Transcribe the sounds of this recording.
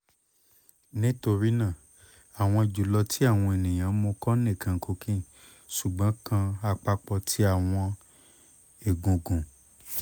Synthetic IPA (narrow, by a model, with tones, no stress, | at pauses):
nĩ˦to˧ɾi˦nã˦˨ | a˨w̃ɔ̃˧i˨d͡ʒu˨lɔ˧tʰi˦a˦˨w̃ɔ̃˧e˨nĩ˨j̃ã˨˦mo˧kɔ˦nẽ˦˨kʰã˨˧˨kʰo˧kʰĩ˦ | ʃu˨ɡ͡bɔ̃˨˦kã˧a˧k͡pa˧k͡pɔ˧tʰi˨˦a˦˨w̃ɔ̃˧ | e˨ɡõ˨ɡũ˨